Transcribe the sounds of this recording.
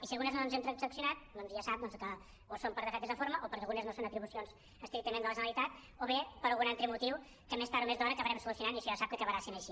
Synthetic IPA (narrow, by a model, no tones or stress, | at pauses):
isiɐlˠɣunəznonzɛmt̪ɾəksəksjunat̪̚d̪ɔnzjasap̚d̪ɔnzkə | osompəɾðəkat̪ezðəfoɾməʔopəɾəlɣunəznosonət̪ɾiβusjonz̥ | əst̪ɾik̚t̪əmẽnd̪əlˠəʒənəlˠit̪at̪̚ | oβepəɾɐlˠɣunalt̪ɾəmut̪iw | kəmespaɾumezd̪ɔɾəkəβəɾɛmsulusjunanisiʒasap̚kəkəβəɾasinəʃi